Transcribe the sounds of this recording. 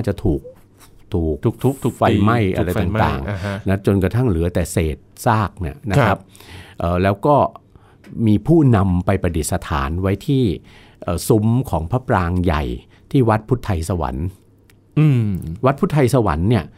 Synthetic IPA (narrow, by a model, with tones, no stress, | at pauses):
aː˥˩t͡ɕa˨˩t̪ʰuː˨˩k̚ | t̪ʰuː˨˩k̪̚ːʰt̪ʰuː˨˩fa˧jma˥˩jʔa̰˧ɾa˧jt̪aː˨˩mt̪a̰ː˨˩ŋ˦na˦˥t͡ɕo˧nkɾa˧t̪ʰa˥˩ŋlɯ˩˦ɐt̪ɛː˨˩seː˨˩t̪̚saː˥˩k̚ni˦˥˩ɐna˦˥kkʰa˦˥p̚ʔəː˨˩lɛː˦˥wkɔː˥˩ | miː˧pʰuː˥˩na˧mpa˧jpɾa˧di˨˩t̪̚sa˧t̪ʰa̰ː˩˦nwa˦˥jt̪ʰiː˥˩ | ʔəː˨˩su˦˥mkʰɔː˩˦ŋpʰa˦˥pɾaː˧ŋja̰˨˩j | t̪ʰiː˥˩wa˦˥t̪̚pʰu˦˥t̪ʰːa˧jsa˧wa̰˩˦n˧˩ | wa˦˥t̪̚pʰu˦˥t̪ʰːa˧jsa˧wa̰˩˦nːi˥˩ɐ